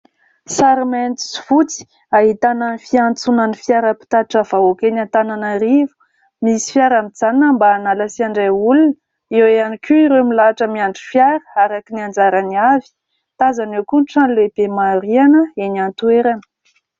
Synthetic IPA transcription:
saɾiment̪i̥si̥fut͡si̥ | aɦit̪ananifiant͡sunanifjaɾəpi̥t̪aʈ͡ʂəv̥aokenant̪ananəɾivu̥ | misi̥fjaɾamit͡sanəmbaːnaləsiaɳɖ͡ʐeulunə | eweanikʲuiɾemilaaʈ͡ʂəmiaɳɖ͡ʐifjaɾə̥aɾakiniand͡ʒaɾaniavi̥ | t̪azanewkunʈ͡ʂanleb̥emaɾianəenant̪ueɾanə̥

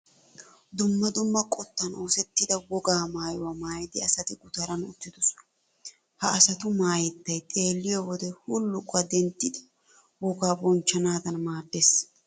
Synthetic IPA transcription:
d̪ʊmːɐd̪ʊmːɐkʼɔt̪ːɐno̞ːsɛt̪ːɪd̪ɐbɔɡaːmaːjʊwamaːjd̪ɪɐsɐt̪ɪɡʊt̪ɐɾɐnʊ̰t̪ːɪd̪ʊs | hɐɐsɐt̪ʊmaːjɛt̪ːɐjt̪ʼe̞ːlːɪjɔwɔd̪ɛhulːʊkʼʊɐd̪ɛnt̪ːɪd̪ɐ̥ | bɔɡaːbɔnt͡ʃːɐnaːd̪ɐnmaːd̪ːes

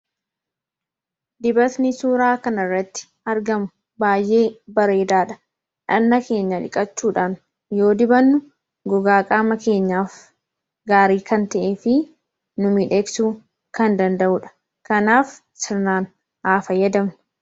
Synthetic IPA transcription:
d̪ɪbɐt̪nɪsuːɾaːkɐnɐrːɐt̪ːɪ̥ | ɐɾɡɐmʊ | baːjʔe̞ːbɐɾe̞ːd̪aːᶑɐ̥ | ᶑɐnːɐke̞ːɲːɐᶑɪ̰kʼɐt͡ʃːuːᶑaːn | jo̞ːd̪ɪbɐnːʊ | ɡɔɡaːkʼaːmɐke̞ːɲːaːf | ɡaːɾiːkɐnt̪ɐʔeːfɪ | nʊmiᶑe̞ːksuː | kɐnd̪ɐnd̪ɐʔʊᶑɐ̥ | kɐnaːf | sɪɾnaːn | ʔaːfɐjɐd̪ɐm

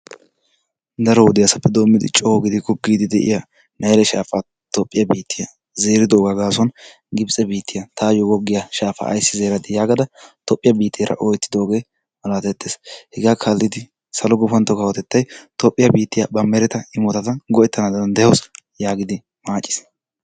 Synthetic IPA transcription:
d̪ɐɾɔwʊd̪ɪjasɐpːɛd̪o̞ːmːɪd̪ɪ̰t͡ʃʼɔwɡɪd̪ɪkːɔɡiːd̪ɪd̪ɛʔɪ̰ja | nɐjlɛʃa̰ːfa | t̪ɔpʼːɪjɐbiːt̪ːɪjɐ | ze̞ːɾɪd̪oːɡaɡaːsɔn | ɡɪbsʼɛbiːt̪ːɪjɐt̪ʰaːjɔɡɔɡːɪjaʃaːfɐ̰ːjsːɪze̞ːɾɐt̪ɪjaːɡɐd̪ɐt̪ɔpʼːɪjɐbiːt̪ʰːɪːɾʔɐ̰ʔɔjt̪ːɪd̪o̞ːɡe̞ː | mɐlaːt̪ɛt̪ːeːshɛɡaːkʰalːɪd̪ɪ | sɐlɔɡʊfɐnt̪ːɔkɐwɔt̪ɛt̪ːɐjt̪ɔpʼːɪjɐbiːt̪ːɪjaɐbɐmɛɾɛt̪ɐɪmɔt̪ɐt̪ɐɡɔɛt̪ːɐnad̪ɐɐnd̪ɛjɐwsjaːɡɪd̪ɪ | maːt͡ʃʼːɪ̥s

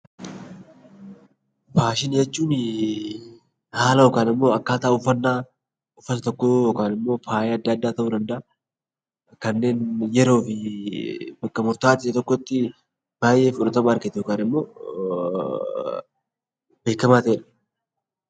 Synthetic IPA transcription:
paːʃɪnjɛt͡ʃːuːn | haːlɐjokaːnɪmːo̞ːɐkːaːt̪aːʊfːɐnːaː | ʊfːɐt̪ɐt̪ɔkːojɔkaːnɪmːo̞ːfʰaːʔeɐd̪ːɐːd̪ːaːt̪ɐʔuːd̪ɐnd̪ɐʔa | kɐnːe̞ːnjɛɾo̞ːfɪ | bɐkːɐmʊɾt̪aːt̪ɪsɐt̪ɔkːɔt̪ːɪ | b̥aːjʔe̞ːfʊᶑɐt̪ɐmaɐɾkɪt̪ɛjokaːnɪmːo̞ː | be̞ːkːɐmaːt̪ɐeːᶑɐ̥

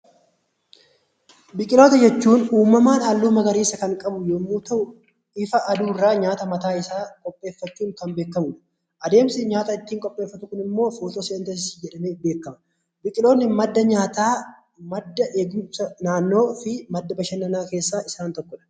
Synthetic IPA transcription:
bɪkʼɪlo̞ːt̪ɐd͡ʒɛt͡ʃːuːnuːmːɐmaːnaːlːuːmɐɡɐɾiːsɐkɐŋkʼɐbʊjoːmːuːt̪ɐʔʊ | ɪfɐʔɐd̪uːrːaːɲaːt̪ɐmɐt̪aːɪsaːkʼɔpʼːe̞ːfːɐt͡ʃːuːŋkɐmbeːkːɐmʊᶑɐ | ʔɐd̪e̞ːmsɪɲaːt̪ɐɪt̪ːiːŋkʼɔpʼːe̞ːfːɐt̪ʊkʊnɪmːo̞ːfoːt̪oːsɪɐnt̪ɐsɪsɪd͡ʒɛᶑɐmeːfbeːkːɐmɐ̥ | bɪkʼɪlo̞ːnːɪmɐd̪ːɐɲaːt̪aː | mɐd̪ːɐʔeːɡusɐnaːnːo̞ːfɪmɐd̪ːɐbɐʃɐnːɐnaːke̞ːsːaːʔɪsaːnt̪ɔkːɔᶑɐ̥

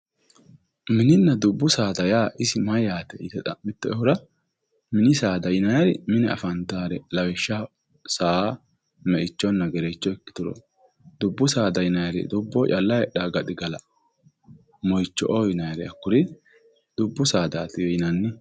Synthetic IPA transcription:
mɪnɪnːɐd̪ʊbːʊsaːd̪ɐjaːʔɪsɪmɐjaːt̪ɛɪt̪ɛt̪ʼɐmːɪt̪ːɛɛhʊɾɐ | mɪnɪsaːd̪ɐjnɐjɐɾɪ̰mɪnɛɐ̰fɐnt̪aːɾɛlɐwɛʃːa | saː | mɛʔɪt͡ʃːɔnːɐɡɛɾɛt͡ʃːɔɛkːɪ̥d̪ʊɾɔ̰ | d̪ʊbːʊsaːd̪ɐjnɐjɐɾɛ̰d̪ʊbːɔt͡ʃʼɐlːɐjɛɗaːɡɐt̪ɪɡɐlɐ | mɔjt͡ʃːɔ̰ʔɔjɪnɐjɐɾɛɐkːʊɾɪ | d̪̥ʊbːʊsaːd̪aːt̪ɪjɛjnɐnːɪ

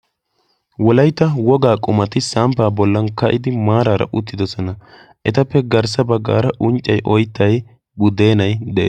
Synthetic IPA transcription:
wɔlɐjt̪ːɐwɔɡaːkʼʊmɐt̪ɪsaːmpaːbɔlːɐnkɐʔɪd̪ɪmaːɾaːɾɐ̰ʔʊt̪ːɪd̪ɔsɔnɐ | ʔɛt̪ɐpːɛɡɐɾs̬ɐbɐɡːa̰ːɾɐʔʊnt͡ʃʼːɐjʔɔjt̪ːɐj | bʊd̪e̞ːnɐjd̪ɛʔe

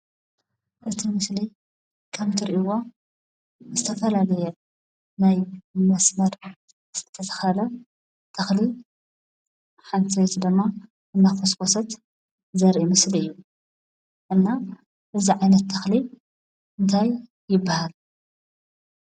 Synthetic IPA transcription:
ʔɨt̪ʰimɨsli | kʰɐmt̪ʰɨɾʔiwo | zɨt̪ʰɐfɐlalɐjɛ | najmɐsmɐɾ | z̥ɨt̪ʰːɐt̪ʰɐ̥xɐlɐ | t̪ʰɐxli | ħant̪ʰiwt̪d̪ɨmːa | ɨnːaxoskosɐt̪ | zɐɾʔimɨsliɨjːu | ʔɨnːa | ʔɨziʕajnɐt̪ʰːɐxli | ʔɨnt̪ʰaj | jɪbːahal

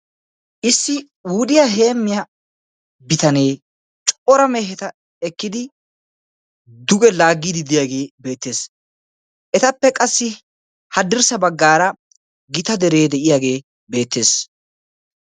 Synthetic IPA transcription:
ʔɪsːɪ | wʊd̪ɪjaɦe̞ːmːɪjɐ | bɪt̪ɐne̞ː | t͡ʃʼɔɾɐmeːɦɛt̪ɐ | ɛkːɪd̪ɪ | d̪ʊɡɛlaːɡːiːd̪ɪd̪ɪjaːɡe̞ːbe̞ːt̪ːe̞ːs | ʔɛt̪ɐpːɛkʼɐsːɪ | hɐd̪ɪɾsɐbɐɡːaːɾɐ | ɡɪt̪ɐd̪ɛɾe̞ːd̪ɛʔɪjaːɡe̞ː | be̞ːt̪ːe̞ːs

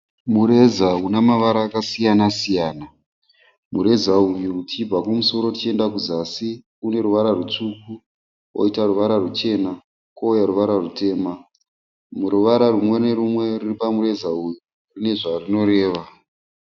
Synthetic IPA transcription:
muɾe̞zaunamaʋaɾaːkasijanasijaːna | muɾe̞zaujutiib͡vakumuso̞ɾo̞tit͡ʃie̞ndakuzasi | une̞ɾuʋaɾarut͡ʂuku | o̰itaruʋaɾarut͡ʃe̞na | koujaɾuʋaɾarute̞ːma | muruʋaɾarumwe̞ne̞ɾumwe̞riripamuɾe̞zauju | rine̞ʐarino̞ɾe̞ːʋa

